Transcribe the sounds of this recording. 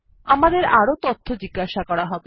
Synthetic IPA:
amad̪eɾaɾot̪ot̪ʰːod͡ʑiɡːaʃakɔɾaɦɔbe

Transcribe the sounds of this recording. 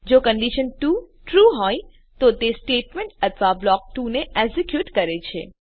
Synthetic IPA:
d͡ʒokəɳɖiʃənʈuʈɾuɦɔj | t̪ot̪esʈeʈmẽɳʈət̪ʰʋablɔk̚ʈuneʔɛɡzikjuʈkəɾet͡ʃʰḛ

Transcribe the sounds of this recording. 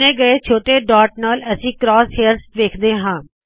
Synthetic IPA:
eːɡəeːt͡ʃʰoːʈeːɖaːʈ̚naːləsĩːkɾɔːsheːɾsʈʋeːkʰd̪eːɦãː

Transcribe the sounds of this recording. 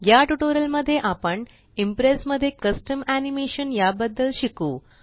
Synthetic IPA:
jaːʈuʈoːɾɐlmɐd̪ʱeʔɐpɐɳɖ | impɾeːsmɐd̪ʱekɐsʈɐmaːnimeːʂɐnjaːbɐd̪ːɐlʃiku

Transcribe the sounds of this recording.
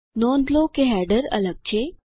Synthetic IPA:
nɔːnblokeɦɛɖəɾə̰ləɡ̚t͡ɕʰe

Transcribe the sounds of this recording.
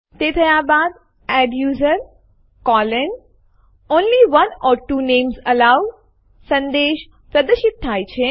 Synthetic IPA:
t̪et̪ʰəjabad̪̚ | ɛɖjuːzəɾ | kɔlən | oːnliʋənɔːɾʈuːneːmzəlaʋ | sə̃nd̪eʃ | pɾəd̪əʃɪt̪̚t̪ʰːajt͡ʃʰe

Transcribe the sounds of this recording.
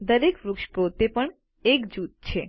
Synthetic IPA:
d̪ɐɾekɾukʃpɾot̪epən | ekd͡ʑut̪̚t͡ɕʰe

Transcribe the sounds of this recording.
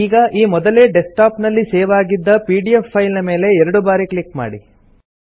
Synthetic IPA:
iːɡɐʔiːmɔd̪ɐle̞ːɖesʈaːpnɐlːiseːʋaːɡid̪ːɐpiːɖiepːɐjlnɐme̞ːle̞ɛɾɐɽubaːɾiklikma̰ːɽi

